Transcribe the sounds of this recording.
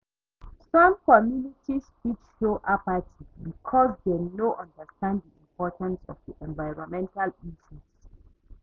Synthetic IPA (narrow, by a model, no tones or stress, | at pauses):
sɔ̃mkɔmjunitʰispitʃoʔapatʰibikʰɔzdenoʔɔ̃ndəstãnddiĩmpɔtãnsɔ̰vdiʔɛ̃nvaɪɹɔ̃nmɛ̃ntalisus